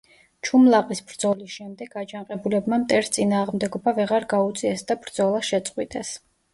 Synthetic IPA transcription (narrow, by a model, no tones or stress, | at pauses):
t͡ʃʰumlˠaqʼisbɾd̪zɔlisʃɛmd̪ɛɡ̥ad͡ʒanqʼɛbulɛbmamt̪ʼɛɾst̪sʼinaːʁmd̪ɛɡɔbavɛʁaɾɡaut̪sʼiɛsd̪abɾd̪z̥ɔlˠaʃɛt̪sʼqʼwit̪ʼɛs